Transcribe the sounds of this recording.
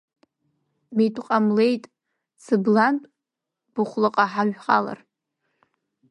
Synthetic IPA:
mejtʷʼqʼamle̞jtʼ | sɨblantʼ | b̥ɨχʷlɨqʼaħaʒᶣχʼa̰la̰r

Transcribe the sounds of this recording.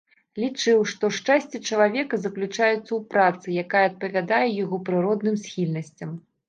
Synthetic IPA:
lʲit͡ʂɨwʂt̪ɔʂt͡ʂasʲt͡sʲit͡ʂɐlˠavʲɛkɐzɐklʲut͡ʂajɛt̪sːɐwpɾat̪sɨjakajɛɐt̪̚pɐvʲad̪ajɛjaɣɔpɾɨɾɔd̪nɨmsʲxʲilʲnɐsʲt͡sʲɐm

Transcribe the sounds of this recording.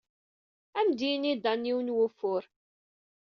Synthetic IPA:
æmd̪inid̪ɑnːiwnwʊfːʊɾ

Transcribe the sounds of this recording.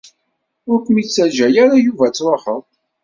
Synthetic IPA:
ʊɾkʷəmit͡sːæd͡ʒæjæɾajuvæt͡sːɾˤoħəðˤ

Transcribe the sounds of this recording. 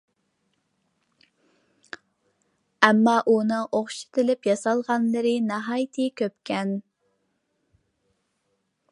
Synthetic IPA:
ɛmːɑʔunɨŋoχʃɪ̥t̪ʰɪlɪpjɑsɑlˠʁɑnlɨɾɨnɑɦɑjt̪ʰɨkʲøpkʲɛn

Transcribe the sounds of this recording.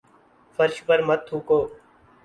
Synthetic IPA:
fəɾʃpəɾmət̪ʰːuːkoː

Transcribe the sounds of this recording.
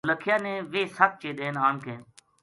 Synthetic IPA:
ləkʰɪjaːnẽːʋeːsək̚t͡ʃeːɗ̪eːnaːɳkʰẽː

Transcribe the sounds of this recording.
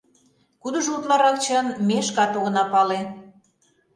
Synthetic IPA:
kud̪ə̆ʒut̪lɑɾɑkt͡ɕənmeʃkɑt̪oɣɤ̆nɑpɑle

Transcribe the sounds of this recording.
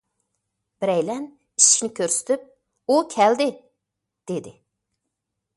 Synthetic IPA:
b̥ɪɾɛjlɛn | iʃi̥kʲnɪkʲʰøɾsɪ̥t̪ʰyp̚ | ukʲʰɛld̪ɪ | d̪̥ed̪ɪ

